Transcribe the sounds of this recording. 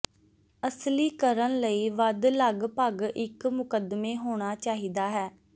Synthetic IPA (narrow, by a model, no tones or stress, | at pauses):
əsliːkəɾənləiːʋəd̪ləɡpəɡɪkmʊkəd̪mẽːɦoːɽ̃aːt͡ʃaːɦiːd̪aːɦɛː